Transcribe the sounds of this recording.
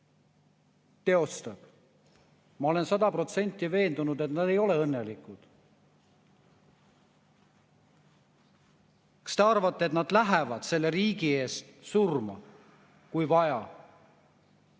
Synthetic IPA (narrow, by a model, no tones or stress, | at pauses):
t̪e̞o̞st̪ɑb̥ | mɑo̞le̞nsɑd̪ɑpro̞t̪se̞nʲt̪ːˑive̞ːnd̪unud̪̥e̞t̪nɑd̪̥e̞jo̞le̞ɤnːe̞likud̪̥ | kɑ̥st̪e̞ɑrvɑt̪ˑːet̪nɑd̪̥læɦevɑd̪̥se̞lːe̞ɾiːɡie̞ːst̪surmɑ | kujvɑjɑ